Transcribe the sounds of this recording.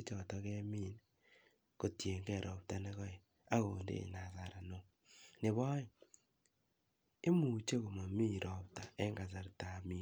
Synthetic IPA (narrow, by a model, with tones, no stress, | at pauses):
e˦t͡ʃɔ˨tɔ˦ɣɛ˦mi˦˨n | ko˨tje˨ŋɡɛ˦˨ɾʔɔ˨p̚ta˦ne˦ɣɔ˦e˨ | a˦ɣo˨ndḛ˦˨na˨za˨ɾa˨no˦ | nɪ˨βɔ˦i˦ | e˦mu˨t͡ʃe˦ɣo˨ma˨mi˦˨ɾʔɔ˨p̚ta˨ɛ˦ŋɡa˨za˨ɾta˨mi˦